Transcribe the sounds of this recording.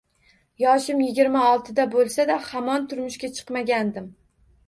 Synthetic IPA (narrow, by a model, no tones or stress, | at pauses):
jɒʃɪmjɪɡʲɪɾmaɒlˠt̪ʰɪd̪abolˠsad̪ahamɒnt̪ʰʊɾmʊʃkʲat͡ʃʰɨ̥qmaɡʲand̪ɪm